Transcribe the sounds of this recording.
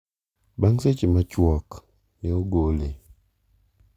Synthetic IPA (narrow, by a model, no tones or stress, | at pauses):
baŋset͡ʃemat͡ʃwɔk | nɛoɡole